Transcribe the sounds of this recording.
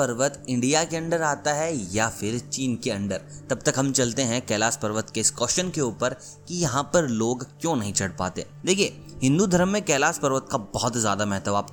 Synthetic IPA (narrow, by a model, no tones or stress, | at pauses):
pɐɾʋət̪ɪ̃ɳɖijakeɐ̃ɳɖəɾaːt̪aɦɛjafɪɾt͡ʃiːnkeɐ̃ɳɖəɾt̪ɐb̚t̪ɐkɦɐ̃mt͡ʃɐlt̪eɦɛ̃kɛːlaːspɐɾʋət̪keɪskɔːʃənkeuːpəɾ | kijɐɦãpɐɾloːɡkjõːnɐɦĩt͡ʃʰɐɽpa̰ːt̪ḛːd̪eːkʰije | hɪ̃nd̪ud̪ʱɐɾəmːẽkɛːlaːspɐɾʋət̪kabɔɦɔt̪zja̰ːd̪amɛɦt̪əʋaːp